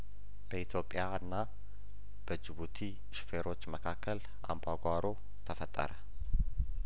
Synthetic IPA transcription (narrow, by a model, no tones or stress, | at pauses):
b̥əit̪ʰjo̞pʼːjaɨnːa | b̥əd͡ʒɪβut̪ʰi | ʃfeɾo̞t͡ʃːməkʰakʰːəl | ʔa̰mbaɡʷaɾo̞ | t̪ʰəfət̪ʼːə̰ɾə